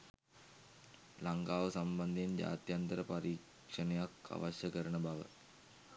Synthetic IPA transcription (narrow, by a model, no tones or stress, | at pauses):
laŋkaːʋəsamband̪end͡ʑa̰ːt̪jant̪əɾəpaɾiːk | ʂənejakʰa̰ʋaɕjəkəɾənəbaʋə̰